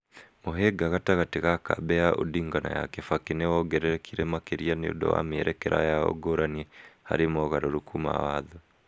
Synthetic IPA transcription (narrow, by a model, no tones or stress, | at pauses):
moɦeɡaɣataɣateɣaka̰bɛaʔodiːŋɡana̰ja̰kefakenewɔɡɛɾɛɾɛkʰiɾemakeɾianeo̰dɔ̰wa̰meɾʔɛkeɾʔa̰jao̰ɡoɾaniɛha̰ɾemɔɣaɾoɾukuma̰waːðo